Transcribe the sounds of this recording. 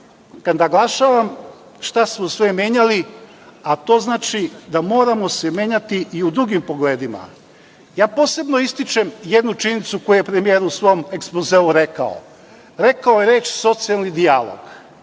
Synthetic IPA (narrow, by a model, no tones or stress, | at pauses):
kad̪naɡlˠaʃaːʋam | ʃt̪asmosʋemʲje̞ːɲali | at̪o̞ːznaːt͡ʃid̪amo̞ːɾamose̞mje̞ːɲat̪iʔiud̪ɾuɡimpo̞ɡle̞ːd̪ima̰ | jaːpo̞ːse̞bno̞ist̪it͡ʃe̞mje̞d̪nut͡ʃinit̪suko̞jujepɾemije̞ːɾuusʋo̞mekspozeuɾe̞ka̰o̰ | ɾe̞kaojeɾeːt͡ʃso̞t̪sialnid̪ialo̰ɡ̥